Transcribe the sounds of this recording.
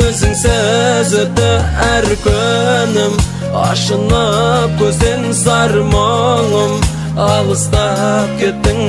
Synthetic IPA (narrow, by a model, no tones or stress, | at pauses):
ɵzɪŋsæzɪɾt̪ɪæɾkʲʰɵnɪm | ɑ̰ʃənəkʲʰɵze̞nzɑɾmoɴəm | ɑlˠəst̪ɑp̚kʲʰe̞t̪ːɪŋ